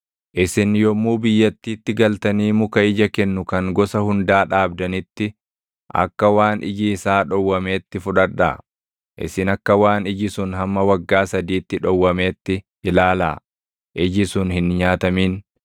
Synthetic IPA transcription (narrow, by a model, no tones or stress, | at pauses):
ʔɪsɪnjɔmːuːbɪjːɐt̪ːiːt̪ːɪɡɐlt̪ɐniːmʊkɐɪd͡ʒɐkɛnːʊkɐŋɡɔsɐhʊnd̪aːᶑaːbd̪ɐnɪt̪ːɪ | ʔɐ̰kːɐwaːnʔɪd͡ʒisaːᶑɔwːɐme̞ːt̪ːɪfʊᶑɐᶑa̰ː | ʔɪ̰sɪnɐkːɐwaːnɪd͡ʒɪsʊnɦɐmːɐwɐɡːaːsɐd̪iːt̪ːɪᶑɔwːɐmeːt̪ːɪ | ɪlaːla̰ː | ʔɪd͡ʒɪsʊnhɪnɲaːt̪ɐmiːn